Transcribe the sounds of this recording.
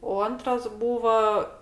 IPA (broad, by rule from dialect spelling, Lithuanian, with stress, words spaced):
oː ˈɐntrɐs ˈbuːʋɐ